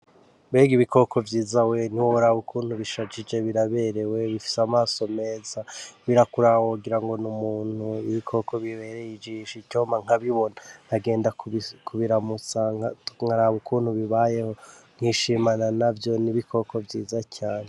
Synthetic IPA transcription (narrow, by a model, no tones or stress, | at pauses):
beɡiβikʰo̞kʰo̞vjiːzawen̥iwooɾaβukʰuːn̥huβiʃad͡ʒid͡ʒe̞βiɾaβe̞ɾe̞we̞βifi̥samaːso̞me̞ːzaβiɾakuɾawouɡiɾaŋɡo̞numuːn̥huiβikʰo̞ko̞βiβe̞ɾejid͡ʒiʃicoːmaŋ̥aβiβo̞nanhaɡe̞ːndakkʰuβiɾamut͡saŋhaɾaβukʰuːn̥huβiβaje̞ho̞ŋ̥hiʃimananavjo̞niβikʰo̞kʰo̞vjiːzacaːɲe